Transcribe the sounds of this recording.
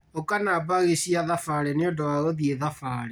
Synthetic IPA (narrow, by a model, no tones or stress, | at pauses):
okanabaɣesiaðafaɾeneondawaɣoðieðafaːɾe